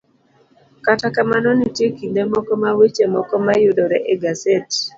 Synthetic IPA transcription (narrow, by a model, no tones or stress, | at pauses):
katakamanɔnitjekindemɔkɔmawet͡ʃemɔkɔmajudɔɾɛʔeɡaset